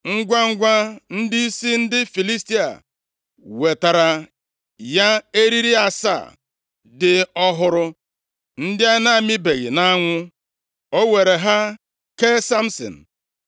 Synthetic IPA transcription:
ŋ̩˦ɡʷa˦ŋ̩˦ɡʷa˦n̩˦di˦i˦si˦n̩˦dɪ˦fi˨li˦sti˦a̰˨ | we˨ta˨ɾa˨ | ja˦e˦ɾi˦ɾi˦a˨sa̰˦˨ | dɪ˦ɔ˦ɦʊ˦ɾʊ˦ | n̩˦dɪ˦a˦na˦˨mɪ˦be˨ɣɪ̰˨na˦ŋʷʊ˦ | o˦we˨ɾe˨ɦa˦ | ke˦sa˦m̩˦sɔ̰˨n̩˨

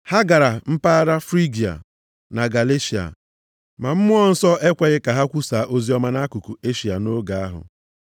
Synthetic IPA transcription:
ha˦ɡa˨ɾa˨m̩˦pa˦ɾa˦fɾi˦ɡi˨a̰˨ | na˨ɡa˨le˦ʃi˨a̰˨ | ma˨m̩˦mʊ˦ɔ˦n̩˦sɔ˦ʔe˦kʷe˨ɣɪ˦ka˨ɦa˦kʷu˦saː˨ʔo˦zi˦ɔ˦ma˦na˦ku˨ku˨e˦ʃi˨a˨no˦ɡa˨a˦ɦʊ̰˨

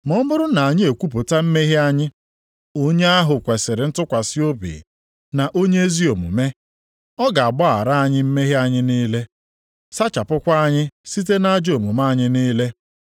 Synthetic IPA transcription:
mɔ˦mʊ˦ɾʊ˦na˨a˨ɲɪ˦e˨kʷu˦p̬ʊ˨ta˦m̩˦me˦ɦɪ˦a˦ɲɪ˦ | o˦ɲe˦a˦ɦʊ˨kʷe˨sɪ˨ɾɪ˨˦n̩˦tʊ˦kʷa˨so˦bḭ˨ | na˨ʔo˦ɲe˦e˦zi˦o˨mṵ˨me˦ | ɔ˦ɡa˨a˨bɔ˦a̰˨ɾa˦a˨ɲɪ˦m̩˦me˦ɦe˦a˦ɲɪ˦niː˦le˦ | sa˦t͡ʃa˨pʊ˦kʷa˦a˦ɲɪ˦si˦t̬e˦na˦d͡ʒo˨mu˨ma˦˨ɲɪ˦niː˦le˦

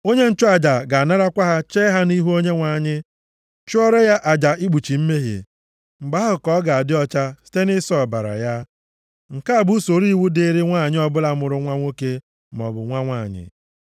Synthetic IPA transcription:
o˦ɲe˦n̩˦t͡ʃʊ˦a˨d͡ʒa˨ɡa˨a˨na˦ɾa˦kʷa˦ɦa˦t͡ʃe˦ɦa˦ni˦ɦu˦o˦ɲe˦ŋʷa˨ɲɪ˦ | t͡ʃʊ˦ɔ˦ɾe˦ja˦ʔa˨d͡ʒa˨ʔi˦ɡ͡bu˨t͡ʃi˨m̩˦me˦ɦḛ˨ | ŋ͡m̩˨ɡ͡ba˦ɦʊ˨kɔ˦ɡa˨a˨dɪ˦ɔ˦t͡ʃa˦si̥˦te˦nɪ˦sɔ˦˨ba˨ɾa̰˨ja˦ | ŋ̩˨ka˦a˨bu˦so˨ɾi˦wu˦de˦ɾi˦ŋʷa˦˨ɲɪ˦ɔ˦bʊ˦la˦mʊ˨ɾʊ˦ŋʷa˦ŋʷo˦ke˦ | m˨ɔ̰˨bʊ̰˨ŋʷa˦ŋʷa˦˨ɲɪ̰˨

